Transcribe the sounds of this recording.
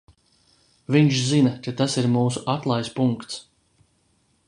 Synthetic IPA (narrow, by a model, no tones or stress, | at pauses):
viɲʃzinakat̪asiɾmuːsuʔat̪lˠajspuŋkt̪s